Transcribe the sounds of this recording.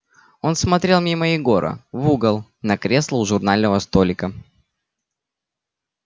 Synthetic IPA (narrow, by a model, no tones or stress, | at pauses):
o̞nsmɐt̪ɾʲe̞lˠmʲiməɪɡo̞ɾə̰vuɡəlˠ | nɐkɾʲe̞slˠəʊʐʊrnalʲnəvəst̪o̞lʲɪkə